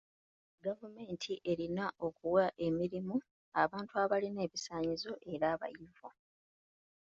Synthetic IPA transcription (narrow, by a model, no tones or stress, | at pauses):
ɡavume̞ːntʰiʔe̞ɾinaʔo̞kuwaʔe̞miɾimu | aβaːntuaβaline̞ːβisaːɲizo̞ʔe̞ɾaːβa̰jivo